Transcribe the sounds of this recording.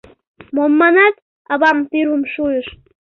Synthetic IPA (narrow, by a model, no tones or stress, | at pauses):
momːɑnɑt̪ | ɑβɑmt̪yɾəmʃuəʃ